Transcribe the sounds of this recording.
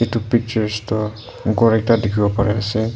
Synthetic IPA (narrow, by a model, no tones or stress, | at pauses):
itupik̚t͡ʃɔɹstɔ | ɡɔɹɛk̚tadikʰibɔpaɹɛasɛ